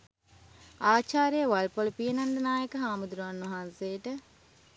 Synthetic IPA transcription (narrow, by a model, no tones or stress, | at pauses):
aːt͡ʃaːɾejəʋalpolpijənɐnd̪ɐnaːjəkəɦaːmud̪uɾuanːɐɦansejəʈə